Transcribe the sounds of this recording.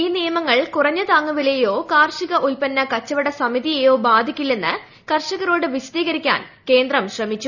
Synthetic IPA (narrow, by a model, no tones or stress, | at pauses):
iːnijɐmɐŋːɐɭkurɐɲːɐt̪aːŋːuʋilejo̞ːkaːrʂiɣɐʔulpɐnːɐkɐt͡ɕːɐʋɐɽɐsɐmiðijejo̞ːbaːd̪ʱikʲːilːe̞nːɨ | kɐrʂɐɣɐɾo̞ːɽɨʋisɐd̪iːɣɐɾikʲːa̰ːnke̞ːnd̪rɐmɕrɐmit͡ɕːu